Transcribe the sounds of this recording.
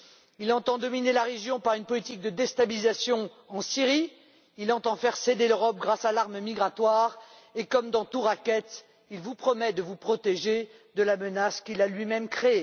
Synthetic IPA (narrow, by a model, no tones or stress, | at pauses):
ilɑ̃t̪ɑ̃d̪ɔminelaʁeʒjɔ̃paʁynpɔlit̪ik̚d̪əd̪ɛst̪abilizasjɔ̃ | ɑ̃siʁi | ilɑ̃t̪ɑ̃fɛʁsed̪eløʁɔp̚ɡʁasalaʁməmiɡʁat̪waːʁ | ekɔmd̪ɑ̃t̪uʁakʲɛt̪ | ilvupχɔmɛd̪əvupχɔt̪eʒed̪əlamənaskʲilalɥimɛmkχee